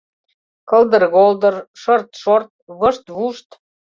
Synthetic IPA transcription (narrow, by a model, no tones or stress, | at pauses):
kɤ̆ld̪ərɣold̪ərʃɤrt̪ʃort̪̚βɤʃt̪βuʃt̪